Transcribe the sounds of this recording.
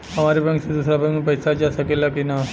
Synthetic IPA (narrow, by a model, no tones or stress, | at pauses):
əmaɾipə̃ɳsed̪usɾapə̃ipəjsat͡ɕasakelakina